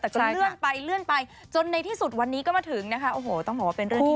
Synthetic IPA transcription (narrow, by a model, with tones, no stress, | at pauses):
t̪ɛː˨˩kɔ˥˩lɯ˥˩ənpa˧jlɯ˥˩ənpa˧j | t͡ɕo˧nːa˧jt̪ʰiː˥˩su˨˩t̪̚wa˧nːiː˦˥kɔː˥˩maː˧˩t̪ʰɯ˨˩˦ŋna˦˥kʰa˦ʔoː˧˩ɦoː˨˩t̪ɔ˥˩ŋbɔː˨˩waː˥˧pe˧nɾɯ˥˩˥